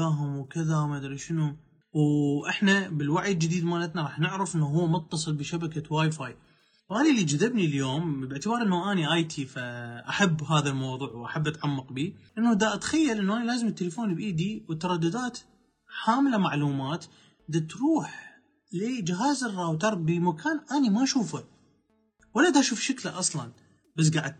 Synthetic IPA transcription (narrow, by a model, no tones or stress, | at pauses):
aːɦʊmwkɪðamad̪ɾiʃɪnu | wʔɪħnabɪlwaʕjɪld͡ʒɪd̪iːd̪malat̪naɾˤɑːħnɪʕɾɪfʔɪnːuɦʊwːmʊt̪ːɑsˤɨlbɪʃabakawaːjfaːj | wʔaːnilːid͡ʒaðɪbniljoːmbɪʕt̪ɪbɑːɾˤʔɪnːuʔaːniʔaːjt̪ʰifaʔaħabːɦaːðalmɑwðˤuːʕwʔaħabːʔat̪ʕamːɑqbiːʔɪnːud̪aʔt̪xajːalʔɪnːuʔaːnilaːzɪmt̪ːalafoːnbʔiːd̪iwət̪ːɑɾˤɑd̪ːʊd̪aːt̪ | ħaːmlamaʕluːmaːt̪ | d̪at̪ɾuːħ | lid͡ʒɪɦaːzɪrˤːɑwt̪ɑɾˤbimakaːnʔanimaʔʃuːfa | walːad̪aʔʃuːfʃaklaʔɑsˤlɑn | bas̬ɡaʕɪd̪̚